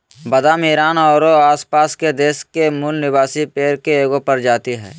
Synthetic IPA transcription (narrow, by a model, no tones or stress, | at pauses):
bɐd̪amɪːɾaːnɔːɾoaːspaːsked̪eːʃkemulnɪbaːsipeːɾkeːɡõpɐɾd͡ʒaːt̪iɦɛ̰ː